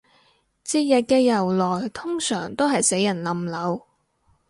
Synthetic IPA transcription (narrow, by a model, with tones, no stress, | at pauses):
t͡siː˧jɐ˨t̚kɛː˧jɐ˨˩wlɔː˨˩jt̪ʰʊ˥ŋsœː˨˩ŋt̪o˥wɦɐ˨jse˨˥jːɐ˨˩nlɐ˨mlɐ˨˧w